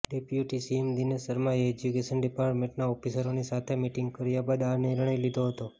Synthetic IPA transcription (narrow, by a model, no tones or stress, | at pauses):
ɖepjuʈisiemd̪inesəɾmãeed͡ʒukeʃənɖipaɾʈmẽɳʈnaɔfisəɾonisat̪ʰemiʈiŋɡ̚kəɾjabad̪aniɾɳəjlid̪ʱoɦət̪o